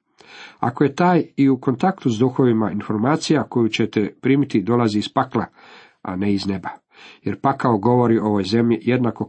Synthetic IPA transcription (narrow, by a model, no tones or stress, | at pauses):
a̰ko̞je̞t̪aːjiuko̞nt̪akt̪uzd̪uxo̞ʋimainfo̞ɾmaːt̪sijako̞jut͡ɕet̪epɾiːmit̪id̪o̞laziːspakla | a̰ne̞izne̞ba | je̞ɾpakaoɡo̞ʋo̞ɾio̞ʋo̞jze̞mʎije̞d̪nako̞